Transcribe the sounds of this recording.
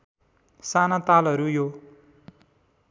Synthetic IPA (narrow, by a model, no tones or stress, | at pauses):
sanat̪alʌɾujo